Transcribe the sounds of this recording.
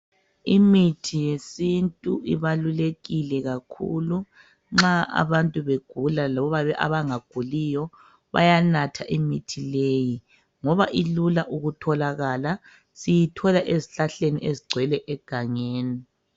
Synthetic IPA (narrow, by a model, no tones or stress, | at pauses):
imitʰijesintʼuiβaluleɣilɛɣakʰṵlu | ŋ͡ǁaʔa̰βantʼuβeɡ̥ʱulalaβɔβaβɛʔa̰βaŋaɡ̥ʱulijɔ | βa̰janatʰaʔimitʰileji | ŋɔβaʔilulaʔuɣutʰɔlaɣala | sijitʰɔlaʔeziɬaɬeniʔeziɡ͡ǀʱwɛlɛʔɛɡ̥ʱaŋeːni